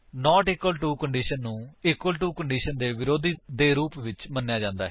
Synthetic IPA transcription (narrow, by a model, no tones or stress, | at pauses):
nɔːʈɪkwəlʈuːkəɳɖiːʃənːũːɪkːwəlʈuːkəɳɖiːʃənd̪eːʋɪɾoːd̪iːd̪eːɾuːpʋɪt͡ʃmənːjaːd͡ʒãːnd̪aːɦɛ